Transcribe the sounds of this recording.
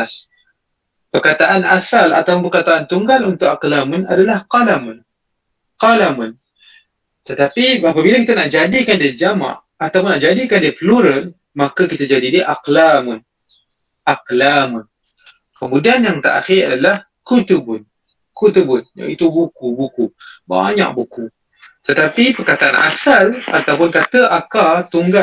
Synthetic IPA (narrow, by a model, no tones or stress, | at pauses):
s | pərkat̪aʔanasala̰t̪apʊnbərkat̪aʔant̪uŋɡalunt̪ʊʔaqlamʊnadalahqalamʊn | qalamʊn | t̪ət̪apiapabilakit̪anaʔd͡ʒadikandiəd͡ʒama̰ʔ | at̪awpʊnːaʔd͡ʒadikandiəpəluɾən | makakit̪ad͡ʒadidiəʔaqlamʊn | ʔaqlamʊn | kəmudianjaŋt̪a̰ʔa̰xiɾa̰dalah | kut̪əbʊn | kut̪əbʊnja̰it̪ubukubukuba̰ɲa̰ʔ̚buku | t̪ət̪apipərkat̪aʔa̰nʔa̰sala̰t̪awpʊnkat̪əʔakat̪uŋɡa